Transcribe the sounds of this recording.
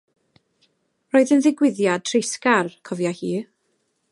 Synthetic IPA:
rɔɨðənðɪɡwɪðjad̥̚ʰrɪskarkʰɔvjahiː

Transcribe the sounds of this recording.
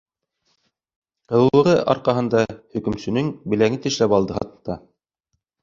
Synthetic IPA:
qɤ̆l̆ɤ̆ʁɤʔɑ̰ɾqɑɦɤ̆nd̪ɑhɵ̆kɵ̆msɵ̆nɵŋbɘ̆læŋɘt̪ɘ̆ʃlæpɑlˠd̪ɤɦɑ̰t̪ɤt̪ːɑ

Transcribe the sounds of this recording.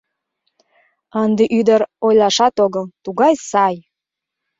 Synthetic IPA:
ənd̪eʔyd̪əɾojlɑʃɑt̪oɣəlt̪uɣɑjsɑj

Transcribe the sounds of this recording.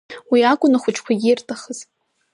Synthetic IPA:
wiakʷʼʊnaχʷʊt͡ʃʰʼkʷʰaɡʲirtʼaχəz̥

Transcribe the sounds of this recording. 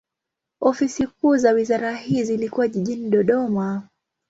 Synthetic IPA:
ɔfisikuːzawizaɾaɦizilikuwaʄiʄiniɗɔɗɔma

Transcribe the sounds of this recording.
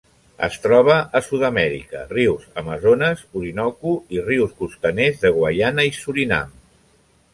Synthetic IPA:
ə̰st̪ɾɔβ̞əʔːsuðəmɛɾḭkə̰riwzəməzonəzuɾinɔkuiriwskust̪ənezðəɣwajanəisuɾina̰m

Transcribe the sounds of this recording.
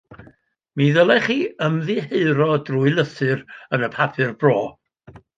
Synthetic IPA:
miːðəlˠɛχiːəmðiheɨɾɔdruːɨlˠəθɨrənəpʰapʰɨrbroː

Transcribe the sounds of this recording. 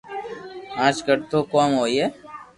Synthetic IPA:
ãːt͡ʃkəɽt̪ʰoːkoːmɦoːie

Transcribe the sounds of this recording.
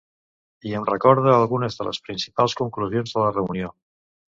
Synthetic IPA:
ienrekɔɾðaalˠɣunəzðələ̰spɾinsi̥palˠskuŋkluzjonzðələreunio

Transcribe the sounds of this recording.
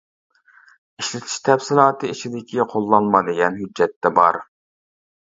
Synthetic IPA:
iʃlɪt̪ʰi̥ʃt̪ʰɛfsɪlˠɑːt̪ʰɨit͡ʃʰid̪ɪkʲʰiqʰolˠːɑnmɑd̪ɪɡʲɛnɦyd͡ʒːɛt̪ːɛbɑ̰ɾ

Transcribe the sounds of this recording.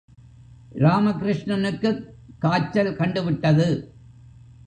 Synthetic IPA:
ɾaːmɐkɪɾɪʂɳɐnɯkːɯ | kːaːt͡ʃːɐlkɐɳɖɯʋɪʈːɐðɯ

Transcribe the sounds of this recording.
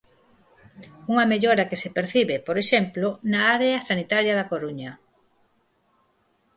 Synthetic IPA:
uŋɐmeʎoɾɐkesepeɾθiβepoɾeʃemplonaaɾeɐsanit̪aɾjɐðɐkoɾuɲɐ

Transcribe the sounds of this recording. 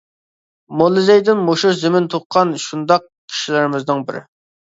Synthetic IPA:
molˠːɨzɛjd̪ɪnmoʃuzɪmɪnt̪ʰoqqʰːɑnʃund̪ɑq̚ | kʲʰi̥ʃilɪɾɪmɪznɨŋbɪɾɪ̰

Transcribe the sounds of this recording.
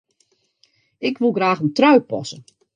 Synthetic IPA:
ɪkʰʋulˠɡraːxəntrœɥpɔ̰sə

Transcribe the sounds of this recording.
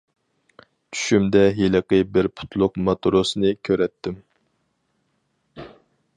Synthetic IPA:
t͡ʃʰy̥ʃymd̪ɛɦiləqəbɪɾpʰʊ̥t̪ʰlˠʊqmɑt̪uɾosnɨkʲʰøɾɛt̪ʰːɪm

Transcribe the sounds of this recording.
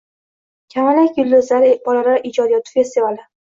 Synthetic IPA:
kʲʰamalakʲʊlːɪzlaɾɪb̥ɒlalaɾʔɪd͡ʒɒd̪ijɒt̪ʰʊ̥fʲest̪ivalɪ

